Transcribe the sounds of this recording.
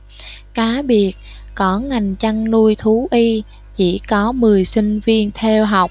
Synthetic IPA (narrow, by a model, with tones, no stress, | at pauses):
kaː˨˦ɓi˨˩ət̚ | kɔ˨˦ŋa˨˩jŋ̟t͡ɕa˧ŋnu˧əjt̪ʰu˨˦ʔi˧ | t͡ɕḭ˧˥kɔ˨˦mɨ˨˩əjsï˧ŋ̟vi˧ənt̪ʰɛ˧wɦa˨˩wk͡p̚